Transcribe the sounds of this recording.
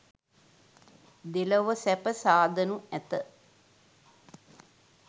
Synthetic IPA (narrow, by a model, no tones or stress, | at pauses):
d̪eləʋəsæpəsaːd̪ənuæt̪ə